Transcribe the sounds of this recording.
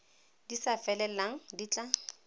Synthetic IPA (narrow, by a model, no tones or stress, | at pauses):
d̥isafɛlɛlaŋ̩dit͡ɬʼa